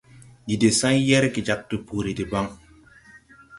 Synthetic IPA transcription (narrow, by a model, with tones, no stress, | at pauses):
d͡ʒi˨de˨sã˦jɛ˦ɾki˨d͡ʒa˨k̚tu˨puː˨ɾi˨di˨ba˦ŋ